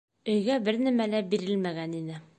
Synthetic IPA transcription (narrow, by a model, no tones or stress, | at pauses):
ɵ̆jɡæbɘɾnæmælæbiɾɘlmæɡæninɘ